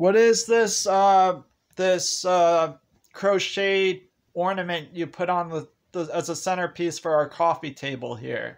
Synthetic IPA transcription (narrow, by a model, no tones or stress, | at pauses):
wʌɾɪzðɪsʌ | ðɪsʌ | kʰɹ̥oʊʃeɪɾ | ɔɹnɨmɨ̃nʔɨpʰʊɾn̩ðə | ðəɨzəsɛ̃ɾ̃ə˞pʰisfə˞aʊə˞kʰɔfitʰeɪbl̩ˠhḭɹ